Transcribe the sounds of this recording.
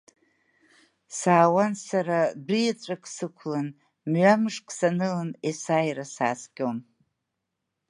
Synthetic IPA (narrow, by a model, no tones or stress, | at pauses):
saːwansaɾabijat͡sʷʼakʰʼsɨkʷʰlan | mɥamɨʂkʼsanɨlɨnesajrasa̰ːskʲʼon